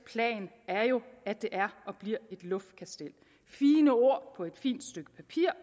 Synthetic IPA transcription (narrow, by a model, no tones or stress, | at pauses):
pʰlɛ̰ːn | æɐjo̝æd̥e̝ʔæɐʔɒ̽b̥liɐ̰e̝d̥lɔ̽fd̥̚kʰæsd̥el̰ | fiːnəo̝ɐ̰pʰɒ̽e̝d̥fḭːnd̥sd̥øɡ̥ə̥pʰæpʰiɐ̰